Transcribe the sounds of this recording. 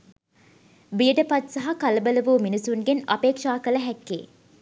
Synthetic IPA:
bijəɖəpɐt̪sɐɦɐkɐlɐbəlɐʋuːminisuŋɡenɐpeːkʂaːkələɦɛkːḛː

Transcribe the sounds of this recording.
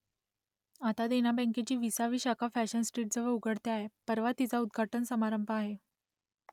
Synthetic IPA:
at̪ad̪enabɛ̃ŋket͡ɕiːʋisaʋiːɕakʰafæɕənsʈɾiːʈ̚d͡zəʋəɭuɡʱəɽt̪eaɦepəɾʋat̪ːit͡saud̪ɡʱaʈənsəmaɾəmbʱəaɦe

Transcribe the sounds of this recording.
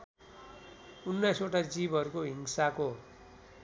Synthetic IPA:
unːajsoʈad͡zibʱʌɾukoɦiŋsako

